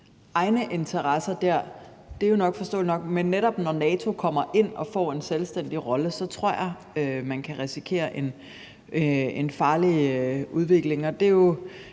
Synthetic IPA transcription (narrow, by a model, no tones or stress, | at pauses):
ʔɑ̈ɪnəʔe̝nt͡sʰɐʁɑsɐd̥æɐ̰ | d̥e̝ɐjo̝nɒ̽ɡ̥fɒ̽sd̥ɔ̰ːlnɒ̽ɡ̥menːeɾɒ̽b̥nɒnɛːt͡sʰo̝kʰɒ̽m̰ɐʔe̝n̰ɒ̽fɒ̰ːe̝nselsd̥en̰d̥iʁɒ̽ləsɒ̽t͡sʰʁo̝ɐ̰jɑ̈ | ømænkʰæʁɛsikʰe̝̰ːɐʔe̝n | e̝nfɑ̈ːliøuð̞ˠʋe̝ɡ̥le̝ŋɒ̽d̥e̝jo̝